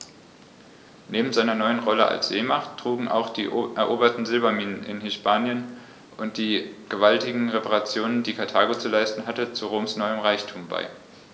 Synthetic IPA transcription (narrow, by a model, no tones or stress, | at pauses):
neːbm̩zaɪnɐnɔʏənʁɔləʔa̰lsz̥eːmaχtʁ̥uːɡŋ̩ʔa̰ʊxd̥ḭːʔʔɛɐʔoːbɐtn̩zɪlbamiːnənʔɪ̰nhɪspaːnjən | ʔʊnt̚d̥iːɡ̥əvaltɪɡŋ̩ʁepaʁat͡sjoːnəndiːkʰaɐtʰaːɡot͡sulaɪstn̩ɦatət͡suʁoːmsnɔʏəmʁaɪçtʰuːmba̰ɪ